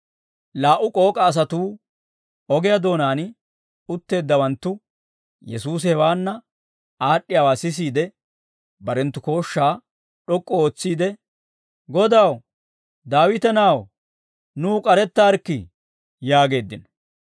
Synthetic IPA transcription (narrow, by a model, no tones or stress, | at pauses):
laːʔʊkʼo̞ːkʼɐːs̬ɐt̪uː | ɔɡɪjɐd̪o̞ːnaːn | ʊt̪ːe̞ːd̪ːɐwɐnt̪ːʊ | jɛsuːs̬hɛwaːnːɐ | aːɗːɪjawaːsɪs̬iːd̪ɛ | bɐɾɛnt̪ːʊko̞ːʃːaː | ɗɔkʼːɔoːt͡sːiːd̪ɛ | ɡɔd̪aw | d̪aːwɪt̪ɛnaw | nuːkʼɐɾɛt̪ːaːɾkːɪ | jaːɡe̞ːd̪ːɪnɔ̥